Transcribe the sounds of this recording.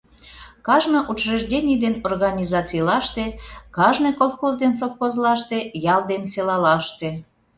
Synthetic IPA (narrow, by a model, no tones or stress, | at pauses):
kɑʒnoʔut͡ʃreʒdʲenʲijd̪enorɣɑnʲizɑt͡sijlɑʃt̪ekɑʒnɤkolˠxozd̪ens̬ofxozlɑʃt̪ejɑld̪enselɑlɑʃt̪e